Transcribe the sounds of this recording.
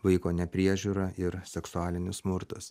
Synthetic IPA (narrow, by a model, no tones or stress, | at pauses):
ʋɐɪkoːnʲɛpʲɾʲiɛʒʲuːɾɐʔɪɾsʲɛksʊaːlʲɪnʲʊssmʊɾt̪ʊs